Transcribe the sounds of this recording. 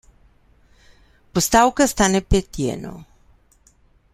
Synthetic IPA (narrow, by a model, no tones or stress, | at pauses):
pust̪awkast̪anepet̪jḛno̰